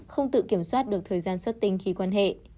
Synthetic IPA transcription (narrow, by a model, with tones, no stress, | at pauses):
xə˧wŋ͡mt̪ɨ̰˧˨ki˧˩əmswaː˦˥t̚ɗɨ˨˩ək̚t̪ʰəː˨˩jzaː˧nswə˦˥t̚t̪ï˧ŋ̟xi˧kwaː˧nɦḛ˧˨